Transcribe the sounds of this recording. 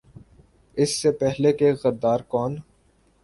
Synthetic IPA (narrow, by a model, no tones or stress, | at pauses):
ɪsːepɛɦlekeɣɐɾd̪aːɾkɔːn